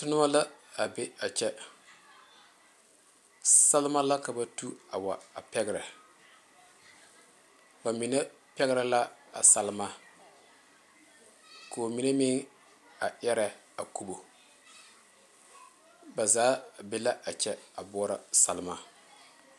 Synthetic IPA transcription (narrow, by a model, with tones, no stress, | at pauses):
tʊ˦nʊ˦wa˦la˦a˨be˦a˨t͡ʃɛ˦ | sa˦lɪ˦ma˦la˦ka˨ba˦tu˦a̰˨wa˨a˨pɛ˦ɡɪ˦ɾa˨ | ba˨mi˨na˦ | pɛ˦ɣɪ˦ɾa˦la˦a̰˨sa˨lɪ˦ma˦ | ko˨mi˨ne˦mɪ˦ŋ | a˨ʔɛ˦ɾa˨ | a˨ku˦˨bo˨ | ba˨zaː˨˦be˦la˦ʔa˨t͡ʃɛ˦a˨bɔ˦ɾa˨sa˨lma˨